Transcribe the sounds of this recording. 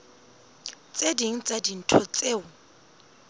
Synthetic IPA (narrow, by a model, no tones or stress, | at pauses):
t͡sʼediŋ̩t͡sʼadin̩tʰɔt͡sʼeːʊ